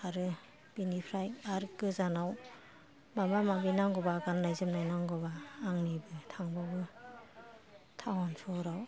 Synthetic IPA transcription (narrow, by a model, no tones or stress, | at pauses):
aɾɯ | b̥inipʰɾajaɾkɯzanaw | mamamabinaŋɡɔbaɡannajzɯmnajnaŋɡɔbaːŋnibɯtʰaŋbabɯ | tʰawansʰɔɾaw